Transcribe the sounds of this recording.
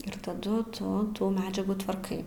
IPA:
ɪr tɐˈdʊ ˈtʊ ˈtuː ˈmʲæːd͡ʒʲɛɡuː tʋɐrˈkɐɪ

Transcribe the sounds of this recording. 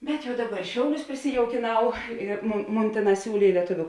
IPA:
bʲɛt ˈjɛʊ ˈdɑːˌbɐ ɪr ˈʃʲɛʊˌlʲʊs pʲrʲɪsʲɪjɛʊkʲeːˈnɐʊ ɪr ˈmoːn ˈmoːn ˈtʲeːˌnɑːs ˈsʲuːlʲeː ɪ lʲiɛˈtʊʋʲʊ

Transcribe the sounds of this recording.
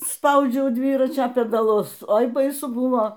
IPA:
ˈspɐʊd͡ʒʲɛʊ ˈdʲʋʲiːrɐt͡ʃʲoː pʲɛdɐˈlˠʊs ˈoːɪ bɐɪˈsʊ ˈbʊʋoː

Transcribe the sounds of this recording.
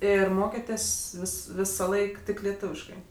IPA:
ˈɪr ˈmoːkʲeːtʲeːsʲ ˈʋʲɪs ˈʋʲɪsɐˌlˠɐɪk ˈtʲɪk lʲɛˈtʊʋʲɪʃkɐɪ

